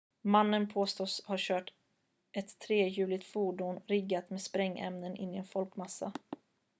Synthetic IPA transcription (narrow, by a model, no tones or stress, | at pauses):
manːənpʰoːst̪oːshaɕœːʈ | ʔɛt̪ʰːɾeːjʉ̟ːlɪɡt̪fuːɖʊnɾɪɡːat̪meːd̪spɾɛŋːɛ̰mnənʔɪ̰nːɪɛnfɔlkmasːa̰